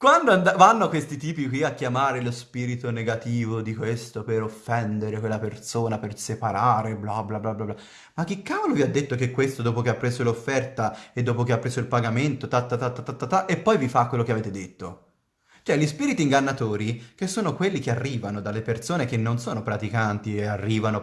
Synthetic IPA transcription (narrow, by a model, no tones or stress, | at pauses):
kwand̪oand̪avanːokwest̪it̪iːpikwiakːjamaːɾelospiːɾit̪oneɡat̪iːvod̪ikwest̪opeɾofːɛnd̪eɾekwelːapersoːnapersepaɾaːɾeblablablablabla | mak̟ːikːaːvoloviad̪ːet̪ːokekːwest̪od̪oːpokeapːɾeːzolofːɛrt̪aed̪ːoːpokeapːɾeːsoilpaɡament̪ot̪at̪ːat̪at̪ːat̪ːat̪ːat̪ːaʔepːɔjvifakːwelːokeaveːt̪ed̪et̪ːo | t͡ʃoɛʎːispiːɾit̪iːŋɡanːat̪oːɾikesːoːnokwelːikearːiːvanod̪alːepersoːnek̟enːonsoːnopɾat̪ikant̪iearːiːvano